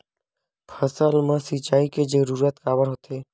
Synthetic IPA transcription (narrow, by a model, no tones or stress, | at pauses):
pʰəsəlmə̃sit͡ʃaːiked͡ʒəɾuːɾət̪kaːbəɾɦot̪ʰeː